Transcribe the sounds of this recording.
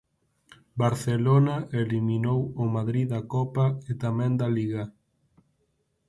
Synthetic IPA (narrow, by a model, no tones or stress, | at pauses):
baɾθelonaʔeliminowomaðɾiðakɔpaet̪amɛ̃nd̪aliɣa